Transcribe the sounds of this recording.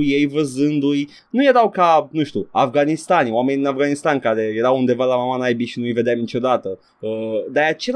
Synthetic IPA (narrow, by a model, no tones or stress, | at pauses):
ujejvəzɨnd̪uj | nuje̞ɾawkanuʃt̪ʲua̰fɡanist̪anoame̞niinavɡanist̪ankaɾe̞je̞ɾawund̪e̞valamamanajbiʃinuijve̞d̪eamnit͡ʃo̞d̪at̪ə | əd̪aat͡ʃe̞l